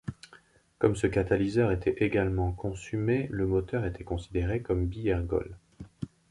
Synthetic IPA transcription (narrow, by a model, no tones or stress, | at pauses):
kɔmsəkat̪alizœʁet̪ɛeɡalmɑ̃kʰɔ̃symeləmɔt̪œʁet̪ʰɛkɔ̃sid̪eʁekɔmbiɛʁɡɔ̰l